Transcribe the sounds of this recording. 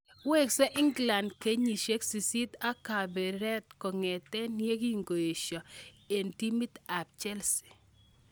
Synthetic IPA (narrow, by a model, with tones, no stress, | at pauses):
we˦˨ksɔ˦ʔɪ˦ŋɡla˨ndke˦ɲi˨ʃe˦ksi˨si˦t̪a˦ka˨bɛ˨ɾɛ˦tkɔ˨ŋɛ˨tɛ˦nje˦ɡi˦ŋɡo˨je˨ʃɔ˨ | e˨nti˦mi˦t̪a˨p̚t͡ʃɛ˦lsi̥˨